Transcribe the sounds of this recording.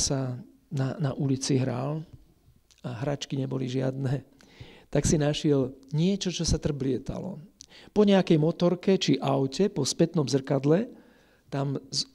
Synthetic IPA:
sa | nanaʔulit͡siɦɾal | aɦɾat͡ʃkiɲɛbɔliʒɪad̪nɛ | t̪aksinaʃɪɛlɲɪɛt͡ʃɔt͡ʃɔsat̪r̩blɪɛt̪a̰lɔ̰pɔɲɛakɛjmɔt̪ɔɾkɛt͡ʃiʔaʊcɛpɔspɛt̪nɔmzr̩kad̪lɛ | t̪amz

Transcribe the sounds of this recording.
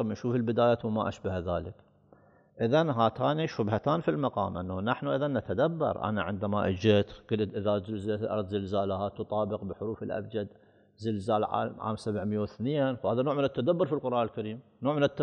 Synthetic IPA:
mʔaʃuːfɪlbɪd̪aːjawmaʔaʃbahðaːlɪk | ʔɪðanɦaːt̪aːniʃʊbhat̪aːnfilmɑqɑ̰ːmʔa̰nːanaħnuʔɪðanːat̪ad̪abːɑ̰ɾˤʔa̰naʕɪnd̪amaʔɪ̰d͡ʒɪt̪ɡ̥ɪlt̪ʔɪðazɪlzlʔɑ̰ɾˤðzɪlzaːlahat̪ʊt̪ˤɑːbɪqbɪħʊɾuːfɪlʔa̰bd͡ʒad̪ | zɪlzaːlʕa̰ːʕa̰ːmsabʕmjːawθneːnfhaːðanoːʕmɪnɪt̪ːad̪abːʊɾˤfilqʊɾˤʔaːnɪlkaɾiːmnoːʕmɪnɪt̪ːa

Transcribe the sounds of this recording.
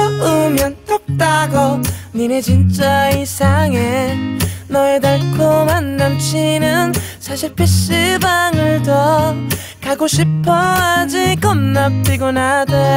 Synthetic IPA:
ɯmjʌnt͈ʌk̚t͈aɡʌninet͡ɕint͡ɕ͈aisʰaŋe | nʌedaɭkʰomanːant͡ɕʰinɯnsʰaɕʰiɭpʰeɕɯbaŋɯɭtʌ | kaɡoɕʰipʰʌad͡ʑikʌmnʌp̚t͈iɡonada

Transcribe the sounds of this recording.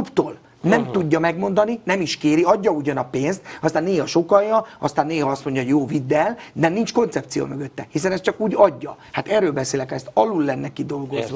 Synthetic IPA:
upt̪oːl | nɛmt̪uɟːɒmɛɡmo̞nd̪ɒninɛmiʃkeːɾiɒɟːɒuɟɒnɒpeːnst̪ɒst̪aːnːeːhɒʃo̞kɒjːɒɒ̰st̪aːnːeːɦɒɒst̪mo̞ɲɟɒɦoɟjoːvid̪ːɛld̪ɛnint͡ʃko̞nt̪sɛpt̪sijo̰møɡø̞t̪ːɛhisɛnɛst͡ʃɒkuːɟɒɟːɒ | hat̪ɛrːøːlbɛseːlɛkhɛst̪ɒlulːɛnːɛkid̪o̞lɡo̞zʋ

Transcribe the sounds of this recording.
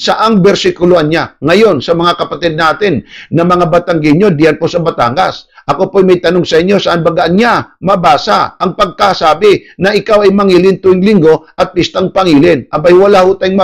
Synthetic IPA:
sɐʔaŋbɛɾsɪkʊloʔanɲaŋɐjo̞nsɐmɐŋakɐpɐt̪ɛd̪̚naːt̪ɪnːɐmɐŋabɐt̪aŋɡɪɲːo̞d̪ihɐnposɐbɐt̪a̰ŋɡa̰sʔɐko̞pojmɐjt̪ɐnoŋsɐʔɪɲːo̞sɐʔanbɐɡaʔanɲamɐbaːsaʔɐŋpɐɡ̚kasaːbɪnɐʔɪkawɐjmɐŋiːlɪnt̪ʊɪŋlɪŋɡo̞ʔɐt̪̚pɪst̪aŋpɐŋiːlɪnʔɐbajwɐlahot̪ajŋmɐ

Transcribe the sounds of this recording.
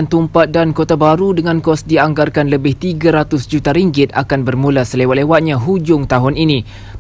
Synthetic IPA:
nt̪umpat̪̚dankot̪abaɾudəŋãnkɔsdiaŋɡarkanləbɪht̪iɡaɾat̪ʊsd͡ʒut̪aɾiŋɡɪt̪̚a̰kanbərmũlasəlewat̪̚lewat̪̚ɲãɦud͡ʒʊŋt̪aɦʊninĩ

